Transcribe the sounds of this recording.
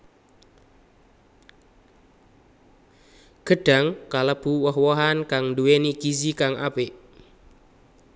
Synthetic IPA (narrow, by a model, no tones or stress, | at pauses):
ɡ̥əɖ̥a̤ŋkaləb̥uwɔɦwɔɦankaŋndueniɡ̥izikaŋʔa̰peʔ